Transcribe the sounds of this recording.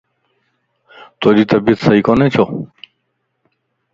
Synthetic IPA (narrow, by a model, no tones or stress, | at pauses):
t̪oːd̪iːt̪ɐbiət̪sɐikoneːt͡ɕʰoː